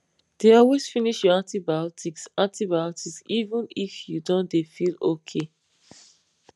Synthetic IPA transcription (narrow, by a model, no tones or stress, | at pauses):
d̥eɔlwez̥finiʃjɔãntibaɔtʰiksãntibajɔtiksivũnifjudõndefilokʰe